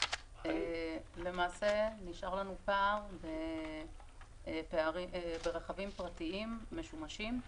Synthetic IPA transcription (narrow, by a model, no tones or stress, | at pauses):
ʔele̞maːse̞niʃaʁlanupaʁbe | peaʁiebeʁeχavimpʁatiimːe̞ʃumaʃim